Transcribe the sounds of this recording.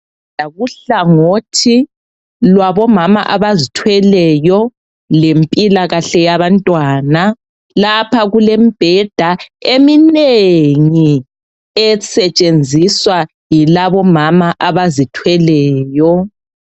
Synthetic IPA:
aɣuɬaŋotʰi | lwaβɔmama̰ʔaβazitʰwɛlɛjɔ | lempʼilaɣaɬɛjaβantʼwaːna | lapʰaɣulemb̥ʱɛd̥ʱaemineŋi | ɛsɛt͡ʃʼend͡zʱiswa | jilaβɔmamaʔaβazitʰwɛlɛːjɔ

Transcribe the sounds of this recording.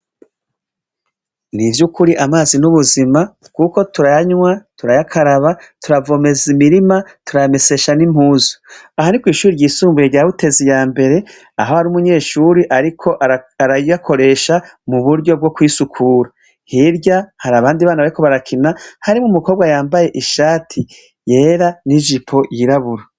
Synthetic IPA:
nivjukuɾiʔamaːzinuβuzima | kuko̞tuɾajaɲwatuɾajakʰaɾaβatuɾavo̞me̞zimiɾimatuɾajame̞se̞ʃanim̥huːzo̥ | aɦanikwiːʃuːɾiɾɟiːsuːmbujeɟaβute̞zijaːmbe̞ɾe̞ | a̰ɦo̞haɾumuɲe̞ːʃuːɾiʔaɾikʰo̞ʔaaɾajujakʰo̞ɾe̞ːʃamuβuɾɟo̞b̚ɡo̞kwiːsukʰuːɾa | hiɾɟahaɾaβaːndiβaːnaβaɾiko̞βaɾakʰinahaɾimŋumuko̞ːbɡajaːmbaje̞ʔiʃaːtʰi | je̞ɾaniʒipʰo̞jiɾaβuɾa

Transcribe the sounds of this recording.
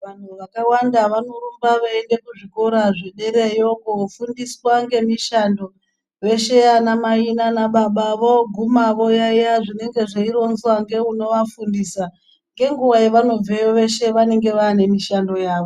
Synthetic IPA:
ʋan̤uʋakawandaʋano̞rumbaʋaende̞kuʐiko̞ɾaʐeɗe̞ɾejokofundiswaŋɡe̞miʃando̞ | ʋe̞ʃe̞anamainanaɓaɓaʋo̞ɡʱumaʋo̞jaijaʐine̞ŋɡe̞ʐeiɾo̞nzwaŋɡe̞uno̞ʋafundisa | ŋɡe̞ŋɡuʋajeʋano̞vejoʋe̞ʃe̞ʋane̞ŋɡe̞ʋaːne̞miʃando̞jaːʋo̞

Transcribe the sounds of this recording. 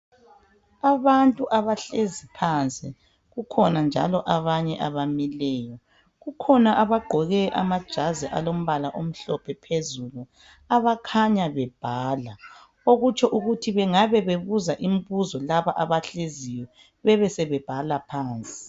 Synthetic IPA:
aβantʼuʔaβaɬezipʰant͡sʼi | ɣukʰɔnand͡ʒʱa̰lɔʔaβaɲɛʔaβamilɛːjɔ | ɣukʰɔnaʔaβaɡ͡ǃʱɔɣɛʔa̰mad̥ʒ̥ʱazɛʔa̰lom̩βalaʔom̩ɬɔpʰɛpʰezulu | aβakʰaɲaβɛb̥ʱaːla | oɣut͡ʃʼɔʔuɣutʰiβɛŋaβɛβeβuzaʔim̩βuzɔlaβaʔaβaɬeziwɛ | βɛβɛsɛβɛb̥ʱalapʰaːnt͡sʼi̥

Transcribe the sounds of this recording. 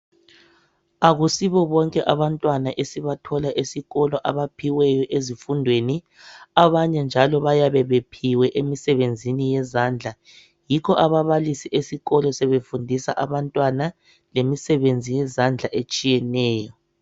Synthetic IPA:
aɣusiβɔβɔŋkʼɛʔaβantʼwanaʔesiβatʰɔlaʔesiɣɔlɔʔaβapʰiwɛjɔʔezifundʱweni | aβaɲɛnd͡ʒʱalɔβajaβɛβepʰiwɛʔemisɛβend͡zʱinijɛzand͡ɮʱa | jikʰɔʔaβaβalisiʔesiɣɔlɔsɛβefundʱisaʔaβantʼwana | lemisɛβend͡zʱijɛzand͡ɮʱaʔet͡ʃʼijɛnɛːjɔ

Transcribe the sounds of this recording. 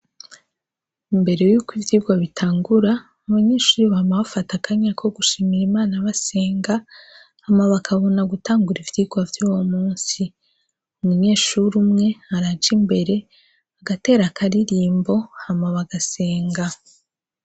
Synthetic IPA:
imbe̞ɾe̞juːkwivjiːɡwaβitʰaːŋɡuɾa | aβaɲe̞ːʃuːɾuβamaβafatakʰaɲakʰo̞ɡuʃimiɾimaːnaβase̞ːŋɡa | hamaβakʰaβonaɡutaːŋɡuɾivjiːɡwavjuːwomuːnsi | umuɲe̞ːʃuɾumŋe̞aɾad͡ʒimbe̞ɾe̞ | aɡate̞ːɾakʰaɾiɾiːmbo̞hamaβaɡase̞ːŋɡa

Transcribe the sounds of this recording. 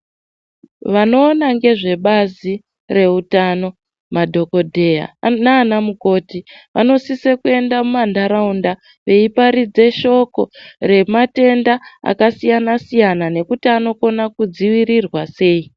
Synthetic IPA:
ʋano̞ːnaŋɡe̞ʐe̞ɓazi | re̞utano̞ | madʱo̞ko̞dʱe̞ja̰naːnamuko̞tiʋa̰no̞sisekue̞ndamumandaɾaunda | ʋe̞ipaɾid͡ze̞ʃo̞ko̞ɾe̞mate̞ndaa̰kasijanasijanane̞kutiano̞ko̞nakud͡ziwiɾirwase̞ːi

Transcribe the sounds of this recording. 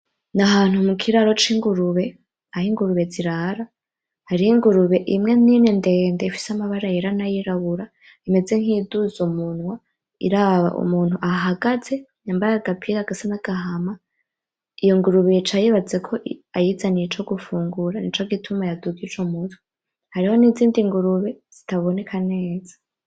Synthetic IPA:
naɦaːn̥humukʰiɾaɾo̞t͡ʃiŋɡuɾuβe | ahiŋɡuɾuβe̞d͡ziɾaɾa | haɾiiŋɡuɾuβe̞ʔimŋe̞ninende̞ːndeifi̥samaβaɾajeɾanajiɾaβuɾa | ime̞d͡ze̞ŋ̥hiduzumunwa | ḭɾaβa̰ʔṵmuːnhuʔaɦaɡaze̞ɲambaɾaɡapʰiɾaɡasanaɡ̥aɦama | ijoŋɡuɾuβet͡ʃajiβad͡ze̞kʰo̞ʔajizanit͡ʃo̞ɡufuːŋɡuɾanḭt͡ʃoɡitʰumajaduɡit͡ʃomutʰu̥ | haɾiho̞niziːndiŋɡuɾuβe̞z̥itaβo̞ne̞kʰane̞ːz̥ḁ

